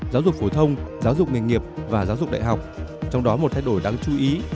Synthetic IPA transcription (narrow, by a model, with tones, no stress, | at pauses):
zaː˨˦wzʊ˨˩k̚fo˧˩t̪ʰə˧wŋ͡mzaː˨˦wzʊ˨˩k͡p̚ŋa˨˩ŋ̟ŋi˨˩əp̚vaː˨˩zaː˨˦wzʊ˨˩k͡p̚ɗ̰a̰ː˧˨jɦwk͡p̚t͡ɕɔ˧wŋ͡mɗɔ˨˦mo˨˩t̪ʰa˧jɗo˧˩jɗaː˧ŋt͡ɕu˨˧˦ʔi˨˦